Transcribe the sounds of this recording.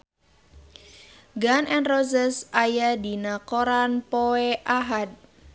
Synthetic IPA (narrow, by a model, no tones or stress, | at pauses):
ɡanʔɛnrozəsajadinakoɾanpoɛʔaɦad̪̚